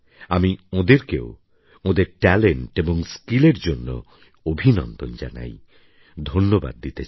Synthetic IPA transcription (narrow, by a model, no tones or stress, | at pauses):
amiõd̪eɾkeo | õd̪eɾʈɛleɳʈebɔŋskileɾd͡ʒonːo̰ | obʱinɔ̰nd̪ɔnd͡ʒa̰na̰j | d̪ʱonːoba̰d̪̚ːit̪et͡ɕ